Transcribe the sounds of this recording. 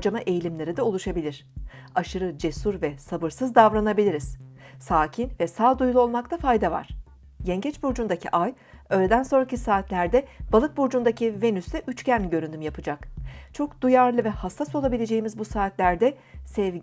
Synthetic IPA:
d͡ʒamaʔejilʲimlʲe̞ɾid̪ɛolˠuʃabilʲiɾ̥aʃɯɾɯd͡ʒe̞suɾvɛsabɯɾsɯzd̪avɾanabilʲiɾiz̥saːcʰinvɛsaːd̪ujlˠuo̞lˠmakt̪ʰafajd̪ava̰ɾ̥ | jɛɲɟɛt͡ʃbuɾd͡ʒund̪acʰḭʔaj | ø̞ːlʲed̪ænso̞nɾacisaːt̪lʲæɾd̪ɛb̥alˠɯk̚buɾd͡ʒund̪acʰive̞nysd̪ɛʔyt͡ʃcænʲɟø̞ɾynd̪ymjapʰɯd͡ʒakt͡ʃʰo̞kd̪̥ujaɾlˠɯvɛhasːaso̞lˠabilʲe̞d͡ʒe̞jimizbusaːt̪lʲæɾd̪ɛ | sɛv

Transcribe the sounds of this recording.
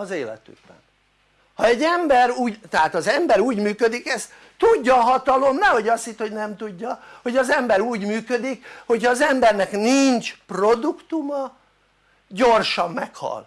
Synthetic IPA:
ɒzeːlɛ̰t̪y̰ɡ̚bɛ̰n | hɒɛɟːɛmbɛɾuːɟt̪ɛɦaːt̪ɒzɛmbɛɾuːɟmyːkød̪ikɛst̪ | t̪uɟːɒːɦɒt̪ɒlo̞mnɛho̞ɟɒst̪hit̪ho̞ɟnɛmt̪uɟːɒho̞ɟɒzɛmbɛɾuːɟmyːkød̪ikho̞chɒːzɛmbɛrnɛkniɲt͡ʃpro̞d̪ukt̪umɒ | ɟo̞rʃɒmːɛkhɒ̰l

